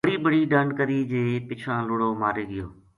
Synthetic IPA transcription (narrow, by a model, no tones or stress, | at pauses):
ɽibəɽiɖãːɳɖkəɾid͡ʑeːpɪt͡ʃʰãlʊɽomaːɾeɡɪjo̰ː